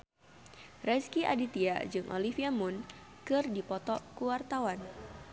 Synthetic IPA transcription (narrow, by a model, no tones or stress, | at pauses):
rɛskiʔa̰dit̪iad͡ʒɨŋʔo̰lifiamun | kɨrdipɔt̪ɔkuwart̪awan